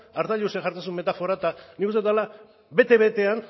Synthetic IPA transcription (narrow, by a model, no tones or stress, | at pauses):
aɾt̪aʎuseʝaɾt̪asumːe̞t̪afo̞ɾat̪anikust̪eala | be̞t̪e̞βe̞t̪e̞an